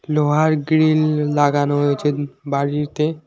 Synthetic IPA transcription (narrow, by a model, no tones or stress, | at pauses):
loɦaɾɡɾilːaɡanoot͡ʃebaɽiɾt̪e